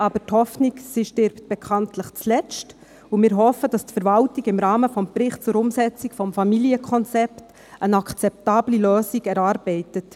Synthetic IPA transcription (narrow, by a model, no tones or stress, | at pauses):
ʔɑːbəthɔfniksiʃtɪɾpt̚b̥ɛkʰɑntləχt͡slɛt͡st | umɪːɾɦɔfəd̥ɑstfɛɾʋɑltiɡɪmɾɑːməfɔmprɪχt̚t͡sʊɾʊmsɛt͡sikfɔmfɑmiliəkʰɔnt͡sɛpt | ənɑkʰt͡sɛp̚tɑːbliløːsiɡɛɾɑːɾbɛɪtət